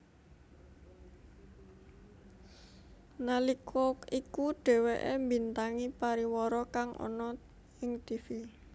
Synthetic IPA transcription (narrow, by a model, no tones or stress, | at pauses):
nalikʰɔkikuɖ̥ɛ̤weʔembi̤nt̪aŋipaɾiwɔɾɔkaŋʔɔ̰nɔ | ɪŋt̪ifi